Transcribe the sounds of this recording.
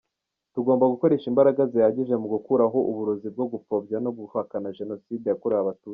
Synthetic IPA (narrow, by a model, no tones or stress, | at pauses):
tuɡo̞ːmbaɡuko̞ɾe̞ːʃimbaɾaɡazejaɟiʒe̞muɡukuɾaɦo̞ʔuβuɾozib̚ɡo̞ɡufo̞bɟano̞ɡuhakanaʒe̞no̞side̞jakuɾaaβatu̥ː